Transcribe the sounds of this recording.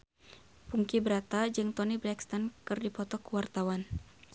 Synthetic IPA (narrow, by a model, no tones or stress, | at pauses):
puŋkibəɾat̪ad͡ʒɨŋt̪ɔnibɾɛkst̪ankɨrdipɔt̪ɔkuwart̪awan